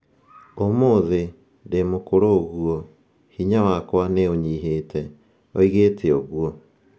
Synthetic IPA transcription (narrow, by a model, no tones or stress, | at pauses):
omoːðe | demokoɾoɣuɔ | hiɲawakwaneoɲiɦeːtʰɛ | oiɣeːtʰeoɣuɔ